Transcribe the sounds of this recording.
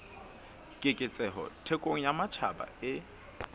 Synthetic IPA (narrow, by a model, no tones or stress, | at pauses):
kʼɪkʼɪt͡sʼɛɦɔ̰tʰekʼoŋ̩jamat͡ʃʰaba̰ɪ